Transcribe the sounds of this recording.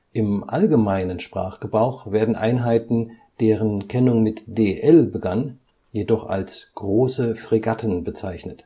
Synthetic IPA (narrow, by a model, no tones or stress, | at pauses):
ʔɪmʔa̰lɡəmaɪnənʃpʁ̥a̰ːχɡ̥əbʁaʊxv̥eːɐdn̩ʔa̰ɪnɦaɪtn̩ | d̥eːʁənkʰɛnʊŋmɪtd̥eːʔɛlbəɡan | jedɔχa̰lsɡ̥ʁoːsəfʁ̥iɡatʰən̩bət͡saɪçnət